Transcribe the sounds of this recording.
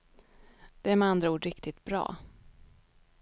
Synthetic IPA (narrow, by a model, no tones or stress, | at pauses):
d̪̥ɛæɾmɛand̪ɾauːɖɾɪkt̪ɪt̪bɾɑ̰ː